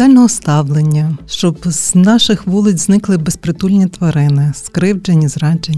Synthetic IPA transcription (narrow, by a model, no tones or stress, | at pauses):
ɑlʲnɔɦɔst̪ɑwlˠenʲːɐʃt͡ʃɔbznɑʃɪxʋulˠɪt͡sʲznɪklˠɪbespɾɪt̪ulʲnʲit̪ʋɐɾɪnɪskɾɪwd͡ʒenʲːizɾɑd͡ʒenʲ